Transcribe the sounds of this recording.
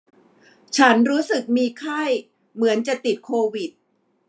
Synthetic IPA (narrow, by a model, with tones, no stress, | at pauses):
t͡ɕʰa˦˥nɾuː˦˥sɯ˨˩k̚miː˧kʰa˥˩j | mɯ˩˦ənt͡ɕa˨˩t̪i˨˩t̪̚kʰoː˧wi˨˩t̪̚